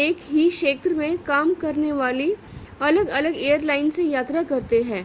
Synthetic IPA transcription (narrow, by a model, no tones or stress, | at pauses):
eːkɦiʃeːt̪ɾəmẽkaːmkɐɾneʋaːli | ɐləɡɐləɡeːjəɾlaːɪnsejaːt̪ɾakɐɾt̪eɦɛ̃ː